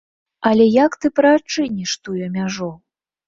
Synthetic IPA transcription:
ɐlʲɛjakt̪ɨpɾɐat͡ʂɨnʲiʂt̪ujɛmʲaʐɔ

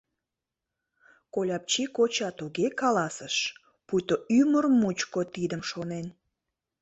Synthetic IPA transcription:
kolʲɑp̚t͡ɕikot͡ɕɑt̪uɣekɑlɑsəʃ | pujt̪oymərmut͡ɕkot̪id̪əmʃonen

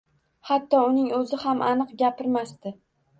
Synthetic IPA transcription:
hat̪ʰːɒʊnɪŋɵzɪhamʔanɨqɡʲapɪɾmast̪ɪ

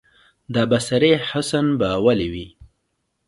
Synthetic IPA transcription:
d̪abasaɾeħasanbawaliwi

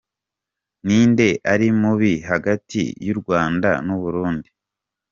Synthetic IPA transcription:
niːnde̞ʔaɾimuβiɦaɡatʰḭjuɾɡwaːnda̰nuβuɾuːndi

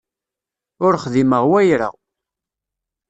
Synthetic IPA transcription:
ʊɾχðiməʁwæjɾə̰ʁ

